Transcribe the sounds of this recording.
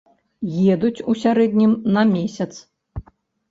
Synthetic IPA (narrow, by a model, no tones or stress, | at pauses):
jɛd̪ut͡sʲusʲaɾɛd̪ʲnʲimnɐmʲesʲɐt̪s